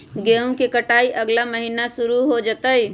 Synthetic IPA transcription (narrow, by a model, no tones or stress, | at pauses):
ɡeõkekəʈaːiʔəɡlaməɦiːnasʊɾuɦod͡ʒət̪əi